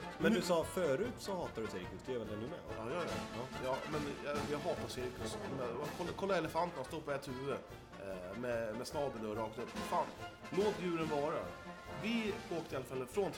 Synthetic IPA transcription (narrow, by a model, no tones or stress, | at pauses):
mɛnd̪ɵsɑːfœːɾʉ̟ːt̪sɔhɑːt̪adɵsɛɾɪk̚t̪ɪt̪d̪ɵjɛvɛld̪ɛnʉːmɛ̰ɔ̰ɑːjɑːjɑ̰jɑːmɛnjɑjɑɦɑːt̪asɛɾɪk̚t̪ɪt̪nːmɛkʰɔlːkʰɔlːaɾɛləfant̪ənast̪oːpʰɔɛt̪ʰʉ̟ːvə | mɛmɛsnɑːb̪ənɔɾɑːk̚t̪ɵpːafaːn | loːt̪jʉ̟ːɾənvɑːɾa̰vɪoːk̚t̪əɪalafalːəfɾoːn